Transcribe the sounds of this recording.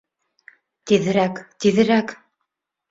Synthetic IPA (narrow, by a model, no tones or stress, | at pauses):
t̪iðɘ̆ɾækt̪iðɘ̆ɾæk